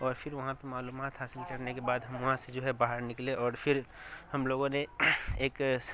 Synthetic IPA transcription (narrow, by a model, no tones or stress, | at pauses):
ɔːɾpʰɪɾʋɐɦãpɐmaːluːmaːt̪ɦaːsɪlkɐɾnekebaːd̪ɦɐmʋɐɦãsed͡ʒoːɦɛbaːɦəɾnɪkleʔɔːɾpʰɪɾ | hɐmloːɡõneeːk